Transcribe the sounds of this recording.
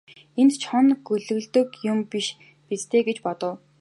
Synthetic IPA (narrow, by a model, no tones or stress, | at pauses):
ent̪t͡ɕʰχɔnɡɵɮɵ̆ɣɮt̪ɵ̆kjʊmpiʃ | pit͡st̪ʰeːɡet͡ɕpɔt̪ɞ̆w